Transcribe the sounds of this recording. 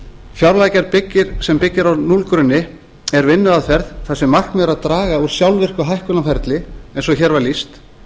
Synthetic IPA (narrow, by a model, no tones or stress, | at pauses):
fjawɾlajcaɾpɪcːɪɾ̥sɛmpɪcːɪɾawnulkɾʏnːɪ | ɛɾvɪnːʏðaðfɛɾðθasɪmahk̪mɛɾaðt̪ɾaːɣauɾ̥sjawlvɪr̥kʏɦajhkʏnafɛɾt̪lɪejnsɔçɛɾvaɾlist̪